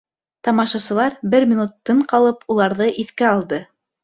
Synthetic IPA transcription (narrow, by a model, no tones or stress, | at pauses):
t̪ɑmɑʃɑsɤ̆lˠɑɾbɘɾmʲiɪnut̪ːɤɴqɑlˠɤpulˠɑɾðɤʔiθkæɑlˠd̪ɤ